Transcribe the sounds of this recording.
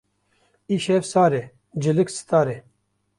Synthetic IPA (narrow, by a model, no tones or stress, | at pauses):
iɕeːfsaːɾe | d͡ʑiliksi̥t̪aːɾe